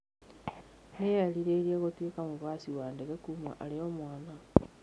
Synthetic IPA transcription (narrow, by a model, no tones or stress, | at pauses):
nejaliɾeɾieɣotwekamuβaːsiwaːndeɣekumwa̰ʔaleomwaːna